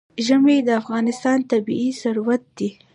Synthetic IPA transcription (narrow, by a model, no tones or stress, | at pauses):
ʒəmed̪əafɣɑnɪst̪ɑnt̪abḭisaɾwat̪̚d̪i